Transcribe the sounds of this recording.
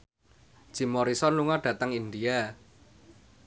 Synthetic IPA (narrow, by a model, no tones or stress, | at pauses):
d̥ʒ̥i̤mɔɾisɔnluŋaɖ̥ä̤t̪əŋind̪ia